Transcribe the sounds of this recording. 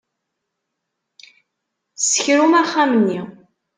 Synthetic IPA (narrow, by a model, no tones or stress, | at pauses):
sə̥çɾumæχːæmnːi